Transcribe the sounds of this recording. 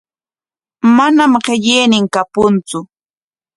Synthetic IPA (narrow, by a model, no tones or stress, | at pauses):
manamɢeʎeːnɪŋkapʊnt͡sʊ